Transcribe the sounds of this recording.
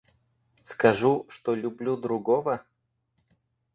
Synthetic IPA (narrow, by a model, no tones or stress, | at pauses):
skɐʐuʂt̪olʲʊblʲud̪ɾʊɡovə